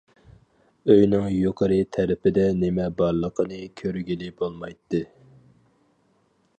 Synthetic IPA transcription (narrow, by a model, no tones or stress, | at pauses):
øjnɪŋjoqʰəɾɨt̪ʰɛɾɪpɪd̪ɛnɪmɛbɑɾlˠəqʰənɨkʲʰøɾɡʲilɪbolˠmɑjt̪ʰːɨ